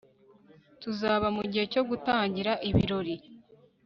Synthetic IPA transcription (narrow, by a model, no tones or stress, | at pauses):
tuzaːβamuɟihe̞co̞ɡutaːɲɟiɾaʔiβiɾo̞ɾi